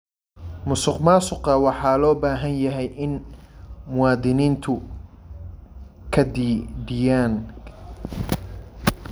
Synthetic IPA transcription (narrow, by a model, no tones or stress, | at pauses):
mʊsɪqmaːsʊqɑwɑħɑːlɔːbaːɦɐnjɐɦɛjʔɪn | mʊwɑːðɪniːnt̪ʰʊ | kʰɐd̪iːɖɪjaːn